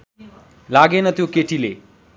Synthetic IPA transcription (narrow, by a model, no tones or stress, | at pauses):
laɡenʌt̪jokeʈilḛ